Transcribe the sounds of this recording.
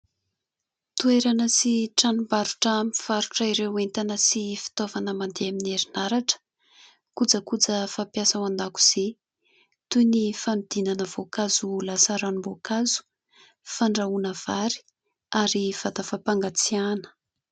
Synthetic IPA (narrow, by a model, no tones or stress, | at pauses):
t̪ueɾanəsiʈ͡ʂanumbaɾuʈ͡ʂamifaɾuʈ͡ʂəiɾewent̪anəsifi̥t̪ovanəmand̪eamineɾinaɾaʈ͡ʂə̥ | kud͡zəkud͡zəfapjasawand̪aku̥z̥e | t̪unifamid̪̥inanəv̥okazulasaɾanumbokazu̥ | faɳɖ͡ʐaunəv̥aɾi̥ | aɾiv̥at̪afapaŋɡat͡sianə̥